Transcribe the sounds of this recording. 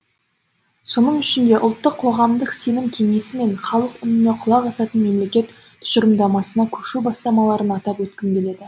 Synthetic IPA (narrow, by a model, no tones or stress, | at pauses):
so̞nəɴʏʃɪnd̪e̞ʔʊ̰lˠt̪ːəqʰːo̞ʁɑmd̪əqse̞nɪmkʲʰe̞ŋe̞sɪme̞ɴχɑlˠəqʏnɪne̞qʰʊlˠɑqɑsɑt̪ənme̞mle̞kʲe̞t̪ʰː | ʏ̥ʃəɾəmd̪ɑmɑsənɑkʲʰɵʃubɑst̪ɑmɑlˠɑɾənɑt̪ɑpwɵt̪̚kʲɪmɡʲe̞le̞d̪ɪ